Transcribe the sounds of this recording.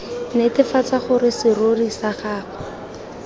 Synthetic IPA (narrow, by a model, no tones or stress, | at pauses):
netɪfat͡saχʊɾɪsɪrorisaχaːχɔ